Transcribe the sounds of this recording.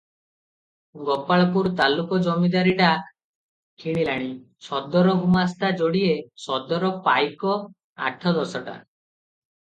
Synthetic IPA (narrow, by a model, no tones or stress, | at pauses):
ɡɔpaɭɔpuɾt̪alukɔd͡ʒɔmid̪aɾiʈa | kʰiɽ̃ilaɽ̃i | t͡ʃʰɔd̪ɔɾɔɡumast̪ad͡ʒoɽiesɔd̪ɔɾɔpajkɔ | a̰ʈʰɔd̪ɔsɔʈa̰